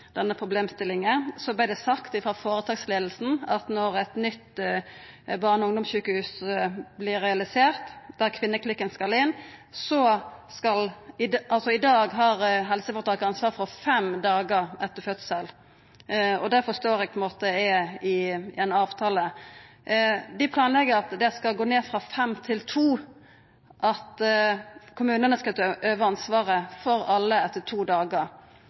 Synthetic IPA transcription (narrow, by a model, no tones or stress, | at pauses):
d̪̥ɛnːəpʰɾʊbleːmst̪ɪlːɪŋəsɔblɪd̪ɛsɑkt̪ɪfʁɑfoːɾət̪ʰɑːɡsleːd̪lsn̩ɑt̪nɔɾɛt̪nʏt̪ | bɑːʁnɔʊŋd̪ʊmsçʉːkəhʉːsblɪɾɛɑlɪseːʁt̪d̪æɾkʰʋɪnːəkʰlɪkːənskɑlɪnsɔskɑlɪʔɑlsɔɪd̪ɑːɡɦɑɾɦɛlsəfɔʁt̪ʰɑːkɑnsʋɑːɾfʁɔfɛmd̪ɑːɡəɾɛt̪ːəɾfœt̪səl | ɔd̪æɾfɔst̪oːɾɛɡ̚pʰɔɛnmoːt̪əɛɛɪɛnɑːʋt̪ʰɑːlə | d̪ɪpʰlɑːnlɛɡəɾɑt̪d̪ɛskɑlɡoːneːfʁɑːfɛmt̪ʰɪlt̪ʰuː | ʔɑt̪ | kʰʊmʉːnənəskɑt̪ʔøːʋəɑnsʋɑːɾəfɔɾɑlːəɛt̪ːət̪ʰuːd̪ɑːɡəɾ